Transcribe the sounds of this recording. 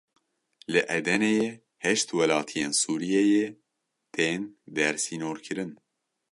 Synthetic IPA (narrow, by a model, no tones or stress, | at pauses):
lɨʔɛd̪ɛneje | hɛʃt̪wɛlɑːt̪ʰijeːnsuːɾijɛje | t̪ʰeːnd̪ɛɾsiːnoːɾkʰɨɾɨn